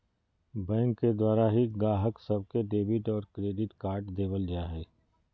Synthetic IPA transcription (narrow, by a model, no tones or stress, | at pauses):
bɛ̃ːŋkːed̪waːɾaɦiɡaːɦəksɐb̚keɖeːbɪʈɔːɾkɾeːɖɪʈkaːɾʈd̪eːbəld͡ʒaːɦɛː